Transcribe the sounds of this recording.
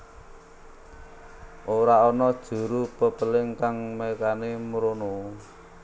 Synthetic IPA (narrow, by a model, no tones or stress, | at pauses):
ʔoɾaɔnɔd̥ʒ̥ṳɾupəpəlɪŋkaŋmekanemɾono